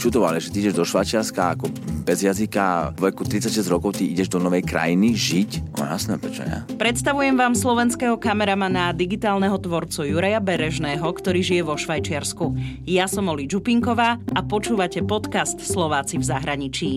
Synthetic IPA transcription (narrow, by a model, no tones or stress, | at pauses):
t͡ʃud̪ɔʋa̰liʒɛt̪iiɟɛʒd̪ɔʃʋajt͡ʃɪaɾskaakɔbɛzjazikaɔʋɛkut̪ɾit̪t͡sːacʃɛzɟɾɔkɔʊt̪iiɟɛʒd̪ɔnɔʋɛjkɾa̰jiniʒicɔ̰ma̰na̰snɛɛmpɾɛt͡ʃɔ̰ɲa̰pɾɛt̪st̪aʋujɛmʋaːmslɔʋɛnskɛɦɔkamɛɾamanad̪iɡit̪aːlnɛɦɔt̪ʋɔɾt͡sujuɾajabɛɾɛʒnɛːɦɔkt̪ɔɾiːʒijɛʋɔʃʋajt͡ʃɪaɾsku | jasɔmɔlid͡ʒupiŋkɔʋaːapɔt͡ʃuːʋacɛpɔt̪kast̪slɔʋaːt͡sivzaɦɾaɲit͡ʃiː